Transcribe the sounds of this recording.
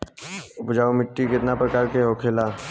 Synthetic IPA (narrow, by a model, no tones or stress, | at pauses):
ʊpd͡ʒaːomɪʈːikɪt̪napɾəkaːɾkeɦoːkʰelaː